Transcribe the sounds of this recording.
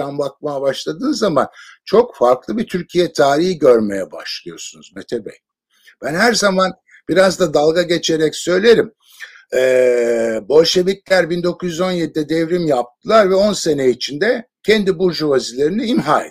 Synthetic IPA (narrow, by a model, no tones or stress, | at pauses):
anbak̚majabaʃlˠad̪ɯːnzamant͡ʃʰo̞kfaɾklˠɯbit̪ʰyɾcʰijɛt̪ʰaːɾihiɟø̞ɾme̞jɛba̰ʃlˠɯjo̞̰sunuzmet̪ʰebɛ̰j | b̥ænhæɾzaman | b̥iɾazd̪ad̪alˠɡaɟe̞t͡ʃʰe̞ɾɛcsø̞jlʲe̞ɾim | ɛːbo̞lʲʃe̞viclʲæɾbind̪o̞kʰuzjyzo̞njed̪̚id̪ɛd̪ɛvɾimjap̚t̪ʰɯlˠaɾvɛo̞nse̞neit͡ʃʰind̪ɛcʰɛnd̪ibuɾd͡ʒuvazilʲe̞ɾiniimɦaː